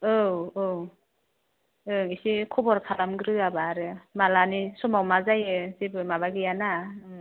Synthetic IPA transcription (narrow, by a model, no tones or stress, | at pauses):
ɯwow | ɯŋisikʰɔbɔɾpʰalamɡɾɯabaɾɯmalanisɔmawmazajɯsibɯmaβaɡɯjana